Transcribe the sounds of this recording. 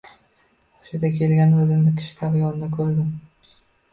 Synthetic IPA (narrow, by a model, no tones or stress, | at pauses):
ɒ̥ʃɪd̪akʲʰe̞lɡʲanozɪmd̪ɪkʲʰɪ̥ʃɪ̥kʰʲabɪjɒnɪd̪akʰɵɾd̪ɪm